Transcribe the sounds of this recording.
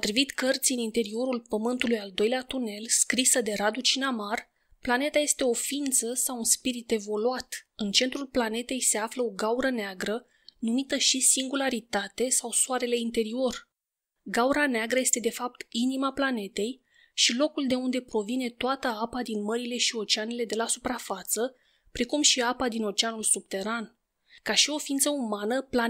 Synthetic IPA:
ot̪ɾivit̪kərt̪sʲiɨnint̪e̞ɾio̞ɾulpəmɨnt̪ulujald̪o̞jleat̪une̞lskɾisəd̪e̞ɾad̪ut͡ʃinamar | plane̞t̪aje̞st̪e̞o̞fint̪səsawunspiɾit̪e̞vo̞luat̪ɨnt͡ʃe̞nt̪ɾulplane̞t̪e̞jse̞afləo̞ɡauɾəneaɡɾə | numit̪əʃisiŋɡulaɾit̪at̪e̞sawsoaɾe̞le̞int̪e̞ɾio̞r | ɡawɾaneaɡɾəje̞st̪e̞d̪e̞fap̚t̪inimaplane̞t̪e̞j | ʃilo̞kuld̪e̞und̪e̞pɾo̞vine̞t̪oat̪əapad̪inməɾile̞ʃio̞t͡ʃeane̞le̞d̪e̞lasupɾafat̪sə | pɾe̞kumʃiapad̪ino̞t͡ʃeanulsub̚t̪e̞ɾan | kaʃio̞fiint̪səumanəpla

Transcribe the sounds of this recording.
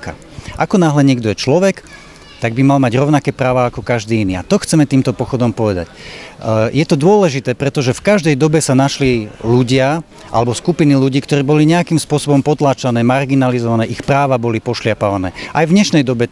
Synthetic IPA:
ka̰ | ʔakɔnaːɦlɛɲɪɛɡd̪ɔjɛt͡ʃlɔʋɛk | t̪aɡ̚bimalmaɟɾɔʊnakɛːpɾaːʋaːkɔkaʒd̪iːinia̰t̪ɔxt͡sɛmɛt̪iːmt̪ɔpɔxɔd̪ɔmpɔʋɛd̪a̰c | jɛt̪ɔd̪ʊɔlɛʒit̪ɛːpɾɛt̪ɔʒɛfkaʒd̪ɛjd̪ɔbɛsanaʃliluɟɪa | ʔa̰lɛbɔskupiniluɟiːkt̪ɔɾiːbɔliɲɛakimspʊɔsɔbɔmpɔt̪laːt͡ʃanɛːmaɾɡinalizɔʋanɛːʔixpɾaːʋabɔlipɔʃlɪapaʋanɛ̰ːʔajvɲɛʃnɛjd̪ɔbɛ

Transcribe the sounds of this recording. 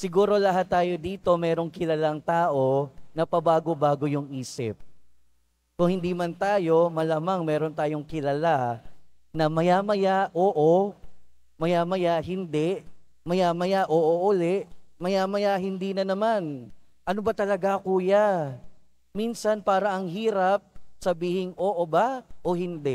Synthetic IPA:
sɪɡuːɾo̞lɐɦat̪ːaːjo̞d̪iːt̪o̞mɛːɾo̞ŋkɪlɐlaŋt̪aːʔo̞nɐpɐbaːɡobaːɡo̞jʊŋʔiːsɪ̰p̚ | kʊŋhɪnd̪imɐnt̪aːjo̞mɐlamaŋmɛːɾo̞nt̪aːjo̞ŋkɪlɐla | nɐmɐjamɐjaʔoːʔo | mɐjaːmɐjaɦɪnd̪ɛʔ | mɐjaːmɐjaʔoːʔoʔʊlɛʔmɐjaːmɐjaɦɪnd̪iːnɐnɐmanʔɐnobɐt̪ɐlɐɡakuːja | minsɐnpaːɾɐʔɐŋɦiːɾɐp̚sɐbiːhɪŋʔoːʔobaʔohɪnd̪ɛʔ

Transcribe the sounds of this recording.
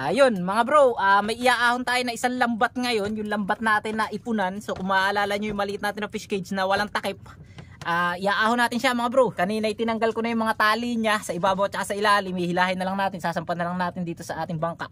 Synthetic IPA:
ʔajo̞nmɐŋabɾoʔaːmɐjʔɪjaːʔaːhont̪aːjonɐʔɪsaŋlɐmbat̪̚ŋɐjo̞njʊŋlɐmbat̪̚naːt̪ɪnːɐʔɪpʊnanso̞kʊmaːʔɐlaːlɐɲojʊŋmɐlɪʔɪt̪naːt̪ɪnɐfɪskejd͡ʒnɐwɐlaŋt̪ɐkɛp̚ | ʔaːʔɪjaːʔaːhonaːt̪ɪnʃaʔmɐŋabɾokɐniːnɐjt̪ɪnɐŋɡalkonɐjʊŋmɐŋat̪aːliɲasɐʔɪbaːboʔot̪̚t͡ʃɐkasɐʔɪlaːlɪmihɪlaːhɪnɐlaŋnaːt̪ɪnsaːsɐmpat̪nɐlɐŋnaːt̪ɪnd̪iːt̪o̞sɐʔaːt̪ɪŋbaŋka̰ʔ

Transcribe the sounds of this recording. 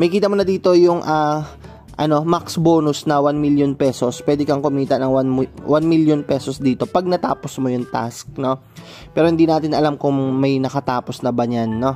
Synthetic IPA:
mɐjkiːt̪ɐmonɐd̪iːt̪o̞jʊŋʔaː | ʔɐ̰no̞maksboːnʊsnɐwanmiljonpɛːso̞spwɛːd̪ɛkɐŋkʊmiːt̪ɐnɐŋwanmwanmiljonpɛsosd̪iːt̪o̞pɐɡ̚nɐt̪a̰ːpo̞smojʊŋt̪a̰sk̚no̞ | pɛːɾo̞hɪnd̪iːnaːt̪ɪnɐlamkʊŋmɐjnɐkɐt̪aːpo̞snɐbɐɲanːo̞

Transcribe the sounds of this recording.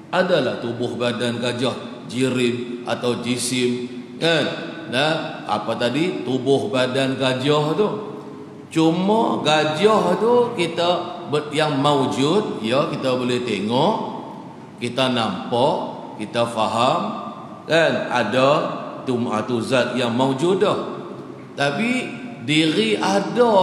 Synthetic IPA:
ʔadalaht̪ubʊhbadanɡad͡ʒɔh | d͡ʒiɾɪmʔa̰t̪awd͡ʒisɪmkanː | əha̰pat̪adit̪ubʊhbadanɡad͡ʒɔht̪u | t͡ʃuməɡad͡ʒɔht̪ukit̪abəjaŋmaud͡ʒʊt̪̚jəkit̪abolɛht̪eŋɔʔ | kit̪anampɔʔ | kit̪afaɦam | kana̰dat̪uma̰t̪uzat̪̚jaŋmaud͡ʒudəh | t̪apidiɾiʔada

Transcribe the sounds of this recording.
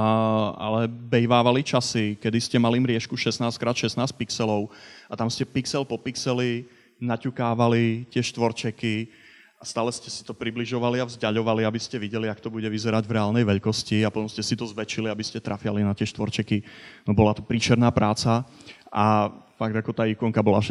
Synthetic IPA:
a̰lɛbɛjʋaːʋalit͡ʃasikɛd̪iscɛmalimɾɪɛʃkuʃɛsnaːskɾaːt̪ʃɛsnaːsc̚piksɛlɔʊat̪amscɛpiksɛlpɔpiksɛli | nacukaːʋalit̪ɪɛʃt̪ʋɔɾt͡ʃɛki | ast̪aːlɛscɛsi̥t̪ɔpɾibliʒɔʋaliavzɟaʎɔʋaliabiscɛʋiɟɛliakt̪ɔbuɟɛʋizɛɾaɟvɾɛaːlˠnɛjʋɛʎkɔsciapɔt̪ɔmscɛsit̪ɔzʋɛt͡ʃiliabiscɛt̪ɾʔafɪalinat̪ɪɛʃt̪ʋɔɾt͡ʃɛkinɔbɔlat̪ɔpɾiːt͡ʃɛɾnaːpɾaːt͡saʔafaɡ̚d̪akɔt̪aːikɔŋkabɔlaʃ

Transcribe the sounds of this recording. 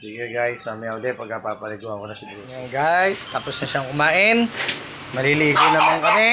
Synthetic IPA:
siɡɛɡajsamɪɐwd̪ɛpɐɡ̚kɐpapɐlɪɡuhɐŋkonɐsɪbu | aŋɡajst̪aːposnɐʃaŋkʊmaːʔɪn | mɐɾiliɡonɐmɐŋkɐmɛ

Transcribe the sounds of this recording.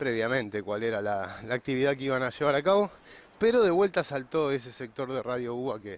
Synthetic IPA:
pɾeβjamẽ̞nt̪e̞kwaleɾalalaːk̚t̪iβiðakeiβanaʃe̞βaɾakaβo̞ | peɾo̞ðe̞βwe̞lt̪asalt̪oes̬esek̚t̪o̞ɾðeraðjo̞uake

